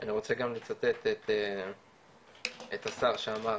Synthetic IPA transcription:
ʔaniʁo̞t͡seɡamlet͡sat̪et̪et̪e | et̪asaʁʃeama

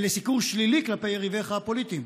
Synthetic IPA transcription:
lesikuʁʃliliklapejeʁiveχaːpolit̪im

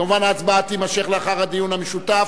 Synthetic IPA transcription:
amuvanaːt͡sbaat̪imaʃeχleaχaʁhad̪ijunhameʃut̪af

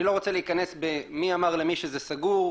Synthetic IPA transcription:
ilo̞ʁo̞t͡seleikane̞sbemiamaʁle̞miʃezesaɡuʁ

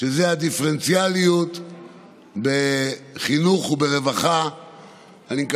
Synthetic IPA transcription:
ʃezead̪ifeʁent͡sjalijut̪ | beχinuχubeʁe̞vaχa | anik

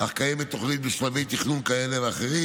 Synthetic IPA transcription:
haχkajemet̪ːoχlit̪̚miʃmavijt̪iχnunkaeleveaχeʁi

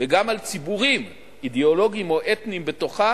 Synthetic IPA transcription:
veɡamalt͡sibuʁim | ideo̞lo̞ɡimo̞ʔet̪nimbet̪o̞χa

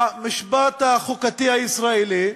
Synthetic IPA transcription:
miʃbat̪haχukat̪ihaisʁaeli

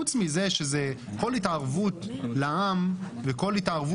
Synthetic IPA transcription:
ut͡smize̞ʃeze | ko̞litaʁvutlaamveko̞litaʁvu

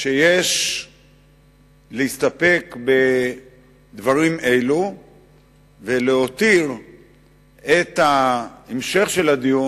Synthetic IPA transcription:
ʃejeʃ | leist̪ape̞kbe̞ | d̪vaʁime̞jlu | veleot̪iʁ | et̪haemʃe̞χʃe̞lad̪iju

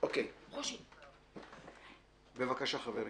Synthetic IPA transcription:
okejχoʃi | bevakaʃaχaveɾ

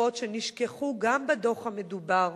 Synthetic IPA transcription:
ot̪ʃeniʃkeχuɡambed̪o̞χhame̞dubaʁ

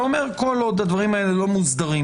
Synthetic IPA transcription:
ome̞ʁko̞lod̪ad̪vaʁimaelelo̞muzd̪aʁi

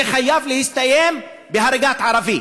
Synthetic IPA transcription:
xajːavlɪhɪst̪ajeːm | bɪɦaɾˤɪɡaːt̪ʕɑɾˤɑviː

